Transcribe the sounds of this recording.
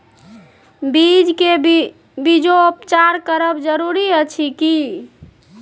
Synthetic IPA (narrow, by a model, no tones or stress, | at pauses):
bid͡ʒke | bid͡ʒoopt͡ʃaɾkəɾəbd͡ʒəɾuɾiət͡ʃʰiki